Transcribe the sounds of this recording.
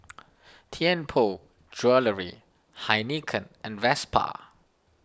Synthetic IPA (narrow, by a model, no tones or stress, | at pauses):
tʰiɛ̃npʰo | d͡ʒɹələɹḭ | hajnikʰə̃nʔɛ̃nvɛspʰa̰